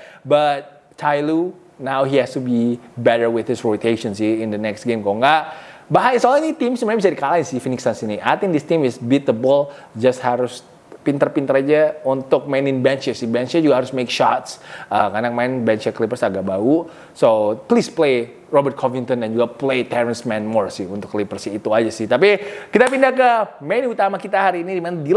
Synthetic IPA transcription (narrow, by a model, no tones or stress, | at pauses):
bat̪̚ | t͡ʃʰajlu | nawɦihɛst̪ubibɛɾərwɪθhɪsrot̪eʃɔ̃nsɪɪndənɛksɡemkoŋɡaʔbaɦajsolinit̪imsumabisadikalaɪnsɪfinɪksansiniʔa̰jt̪ɪ̃ŋdɪst̪imɪsbit̪əbɔld͡ʒast̪haɾʊs | pint̪ərpint̪əɾad͡ʒaunt̪ʊk̚maɪnɪnbɛnt͡ʃasɪbɛnt͡ʃad͡ʒuɡahaɾʊsmekʃat̪səkanak̚maɪnbɛnt͡ʃaklipərsaɡaʔ̚bau | soplisplej | rɔbərt̪̚kʰɔvint̪ɔndand͡ʒuɡaplejt̪ɛɾənsmɛnmɔrsɪhunt̪ʊkːlipərsiːt̪uad͡ʒasɪht̪apikit̪apindakəmanut̪amakit̪aɦaɾiːnidimanadil